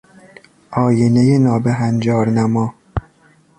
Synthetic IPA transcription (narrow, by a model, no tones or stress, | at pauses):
ʔɒːjenejenɒːbeɦænd͡ʒɒːɾnæmɒː